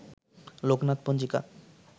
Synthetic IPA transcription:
loknat̪̚pond͡ʑika̰

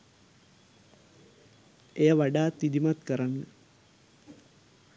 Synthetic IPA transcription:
ejəʋaɖaːt̪id̪imat̪kəɾanːə

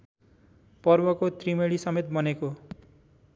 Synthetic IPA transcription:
pʌrbʌkot̪rimeɭisʌmet̪̚bʌneko

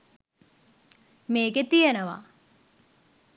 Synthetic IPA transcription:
meːɡet̪ijenəʋa̰

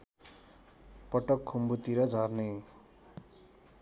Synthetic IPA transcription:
pʌʈʌkʰːumbut̪iɾʌd͡zʱʌrne

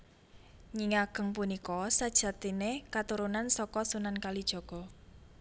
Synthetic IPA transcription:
ɲiŋaɡ̥ə̤ŋpunikɔsad̥ʒ̥a̤t̪inekat̪uɾunansɔkɔsunankalid̥ʒ̥ɔ̤ɡ̥ɔ̤

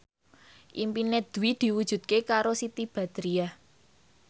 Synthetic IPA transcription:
ʔimpinɛd̪̥uwid̪̥i̤wud̥ʒ̥ṳd̪̚kekaɾosit̪ib̥a̤d̪̥ɾia

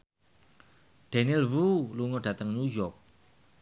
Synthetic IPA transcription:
ɖ̥anilwuluŋɔɖ̥ä̤t̪əŋnujɔk̚

